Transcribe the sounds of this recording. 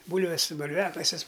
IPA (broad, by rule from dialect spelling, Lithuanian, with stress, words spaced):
ˈbuːlʲʋʲɛs bʊlʲˈʋʲæːkɐsʲɪs